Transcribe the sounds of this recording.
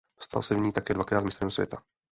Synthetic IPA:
fst̪a̰lsɛvɲiːt̪akɛːdvakɾaːt̪mɪst̪ɾɛmsvjɛ̰t̪a

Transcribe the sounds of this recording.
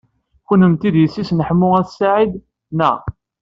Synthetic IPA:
çunəmt̪id̪jəsːisnəħmːʊæθsːaʕid̪ | næ

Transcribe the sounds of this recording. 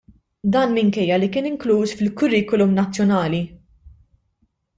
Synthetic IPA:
d̪ɐːnmɪŋkɛjːɐlikɪːnɪŋkluːsfɪlkʊrːiːkɔlumnɐt͡sːjɔnɐːli

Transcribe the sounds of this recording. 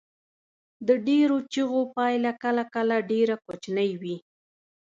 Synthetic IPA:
d̪əɖeɾot͡ʃəɣopɑjlakalakalaɖeɾakot͡ʃnəjwi

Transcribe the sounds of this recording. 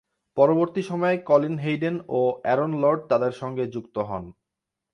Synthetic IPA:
pɔɾoboɾt̪iʃɔmɔekɔlinɦejɖenoɛɾonlɔɾɖ̚t̪ad̪eɾʃɔŋɡed͡ʑukt̪oɦɔ̰n

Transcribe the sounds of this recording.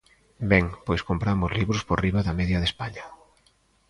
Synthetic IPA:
bɛŋpojskompɾamʊzliβɾʊspoɾriβaðɐmɛðjɐðespaɲɐ

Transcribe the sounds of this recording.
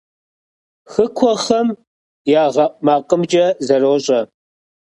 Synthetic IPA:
xɨkʷʰɔχɐm | jaːʁɐmaːqʼəmd͡ʒɐzɐroːɕʼɐ

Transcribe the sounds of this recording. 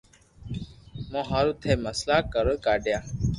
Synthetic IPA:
mõɦaɾut̪ʰeːməslaːkəɾəkaːɖjaː

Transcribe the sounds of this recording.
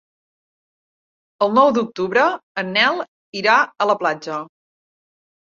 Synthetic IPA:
əlˠnɔwd̪uk̚t̪uβɾəənːɛlˠ | iɾaələplad͡ʒə

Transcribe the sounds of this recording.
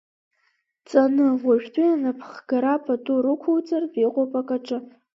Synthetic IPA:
t͡sʼanɨʁaʒᶣtʰʼuanapʰχɡ̥aɾapʰʼatʼuɾɨkʷʰowt͡sʼarbiqʷʼopʼakʼaʈ͡ʂʼɨ

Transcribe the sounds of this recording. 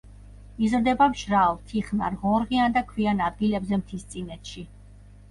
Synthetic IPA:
izɾd̪ɛbamʃɾalˠt̪ʰiχna̰ɾʁɔɾʁiand̪akʰwianad̪̚ɡilɛbzɛmt̪ʰist̪sʼinɛt̪ʃi

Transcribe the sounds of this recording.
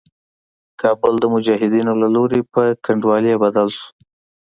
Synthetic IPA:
kʰɑbʊld̪əmʊd͡ʒɑɦɪd̪inolaloɾepəkaɳɖwɑlebad̪alʃu̥

